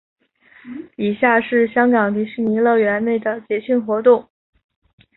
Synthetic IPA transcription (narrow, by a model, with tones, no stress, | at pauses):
i˨˩ɕja˥˧ʂɻ̩˥˩ɕjɑ˥ŋkɑ˨˩ŋt̪i˧˥ʂɻ̩˥˩ni˧˥lɤ˥˩ɥɛ˧˥nne˥˩ɪd̪ə˩t͡ɕjɛ˧˥ɕʰy˥˩nxwɔ˧˥t̪ʊ˥˩ŋ